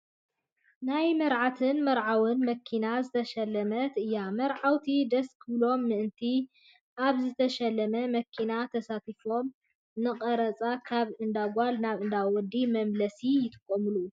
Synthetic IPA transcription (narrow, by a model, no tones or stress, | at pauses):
najmɐɾʕat̪ʰɨnmɐɾʕawɨnmɐkʰːinazɨt̪ʰɐʃɐlːɐmɐt̪ʔɨjːamɐɾʕawt̪ʰid̪ɐskʰɨβlo̞mːɨʔɨnt̪ʰi | ʔaβzɨt̪ʰɐʃɐlːɐmɐmɐkʰinat̪ʰɐsat̪ifo̞m | nɨqʼɐɾɐt͡sʼakʰaβʔɨnd̪aɡʷalnaβʔɨnd̪awɔd̪ːimɐmlɐsijɪt̪ʼɨ̥kʼːɐmɨlu